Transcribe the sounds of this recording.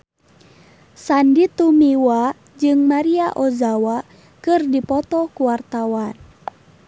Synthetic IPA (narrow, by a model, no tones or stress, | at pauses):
sandit̪umiwa | d͡ʒɨŋmaɾiaʔɔzawa | kɨrdipɔt̪ɔkuwart̪awan